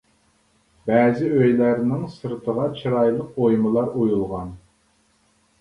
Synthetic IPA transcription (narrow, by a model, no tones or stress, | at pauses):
bæːzɪøjlæɾnɪŋsɨɾt̪ʰəʁɑt͡ʃʰɨɾɑjlˠəq̚ojmɨlˠɑɾojulˠʁɑn